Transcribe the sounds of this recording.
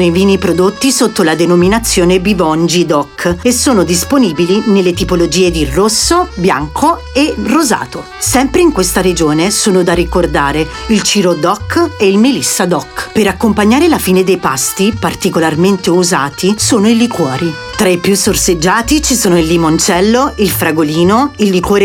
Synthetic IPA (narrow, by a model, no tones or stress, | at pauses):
ejviːnipɾod̪ot̪ːisot̪ːolad̪enominat̪sːjoːnebivɔnd͡ʒid̪ɔkːesːoːnod̪isponiːbilinelːet̪ipolod͡ʒiːed̪irosːobja̰ŋkʰo | eroza̰ːt̪o | sɛmpɾeiŋkwest̪aɾed͡ʒoːnesoːnod̪arikord̪aːɾe | ilt͡ʃiːɾod̪ɔkːeilmilisːad̪ɔkːpeɾakːompaɲːaːɾelafiːned̪ejpast̪ipart̪ikolarment̪euzaːt̪isoːnoilikwɔːɾi | t̪ɾaipjusːorsed͡ʒːaːt̪it͡ʃisoːnoilːimont͡ʃɛlːoilfɾaɡoliːnoilːikwɔːɾ